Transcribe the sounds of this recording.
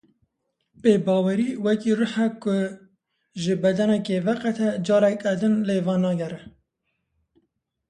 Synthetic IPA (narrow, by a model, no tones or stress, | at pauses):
peːbɑːwɛɾiːwɛkirɨħɛkʊ | ʒɨbɛd̪ɛnɛkevɛqɛt̪ʰɛd͡ʒɑːɾɛkɛd̪ɨnleːvɑːnɑːɡɛɾɛ